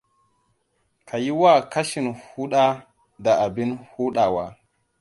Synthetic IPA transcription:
kʰa˨ji˦wa˦˨ka˦ʃi˨nhu˦ɗa˦ | da˨a˨bi˦nhu˦ɗa˨wa˨

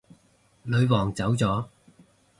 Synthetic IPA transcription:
lɵ˨˧ɥwɔː˨˩ŋt͡sɐ˨˥wt͡sɔː˨˥

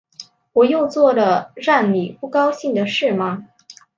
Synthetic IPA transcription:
wɔ˨˩jo˥˧ʊt͡swɔ˥˩lə˩ɻa˥˩nmi˨˩pu˥˩kɑ˥ʊɕi˥˩ŋd̪ə˩ʂɻ̩˥˩mɐ˩

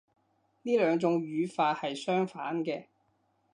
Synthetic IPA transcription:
niː˥lœː˨˧ŋt͡sʊ˨˧ŋjyː˨˧faː˧t̚hɐ˨jsœː˥ŋfaː˨˥nkɛː˧

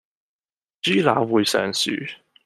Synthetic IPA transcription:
t͡ʃyː˥la̰ː˨˥wuː˨˧jsœ̰ː˨˩ŋsy̰ː˨˥

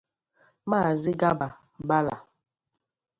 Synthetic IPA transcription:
ma˦˨zɪ˦ɡa˦ba˨ | ba˦la̰˨

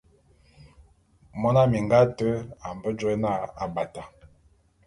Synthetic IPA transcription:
mɔ˦na˦mi˨ŋɡa˦tə˦a˨m˨bə˦d͡ʒo˦e˦na˦˨a̰˨ba˨ta˨

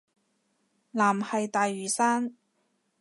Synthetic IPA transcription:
laː˨˩mhɐ˨jt̪aː˨jːyː˨˩saː˥n

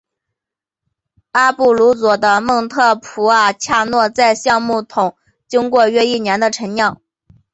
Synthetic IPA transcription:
a˥pu˥˩lu˧˥t͡swɔ˨˩d̪ə˦mɤ˥˧ŋt̪ʰɤ˥˩pʰu˧˥a˨˩t͡ɕʰja˥˧nwɔ˥˧t͡sa˥˧ɪɕjɑ˥˧ŋmu˥˩t̪ʰʊ˨˩˦ŋ | t͡ɕi˥ŋkwɔ˥˧ɥɛ˥˧i˥˩njɛ˧˥nd̪ə˧ʈ͡ʂʰə˧˥ŋnjɑ˥˩˦ŋ

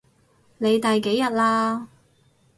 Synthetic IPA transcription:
ne˨˧jt̪ɐ˨jke˨˥jɐ˨t̚laː˧

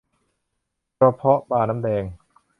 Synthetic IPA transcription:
ɾɔ˧pʰɔ˦˥ʔbaː˧na˦˥mdɛː˧ŋ

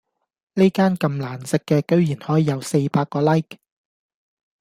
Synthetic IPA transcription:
ne˥kaː˥nkɐ˧mlaː˨˩nsɪ˨˧kːɛː˧kɵ˥ɥjiː˨˩nhɔː˨˥jiː˨˧jɐ˨˧wse˧jpaː˧kːɔː˧lɐ˥jk

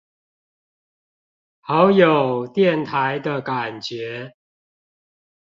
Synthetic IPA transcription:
ha˨˦ʊjo˨˩ʊt̪jɛ˥˨nt̪ʰa˨˦ɪd̪ə˧ka˨˩nt͡ɕɥɛ˨˦

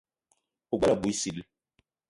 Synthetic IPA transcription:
o˨ɡ͡ba˦la˨bu˨i˦si˨l

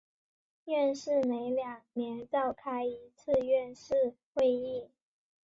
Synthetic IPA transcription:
ɥɛ˥˧nʂɻ̩˥˩ne˧˥ɪljɑ˨˩ŋnjɛ˧˥nʈ͡ʂɑ˥˩ʊkʰa˥ɪi˧˥t͡sʰɹ̩˥˧ɥɛ˥˧nʂɻ̩˥˧xwe˥˧ɪi˥˩

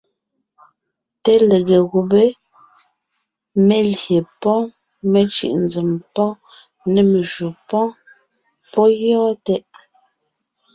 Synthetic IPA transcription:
te˦le˨ɣe˨ɣu˨be˦ | me˦lje˨pɔ̃˦ | me˨t͡ʃḭ˨ʔnd͡zi˨mpɔ˦ | nɛ˨me˨ʒu˨pɔ̃˦ | pɔ˦jɔ˦tɛ˦ʔ

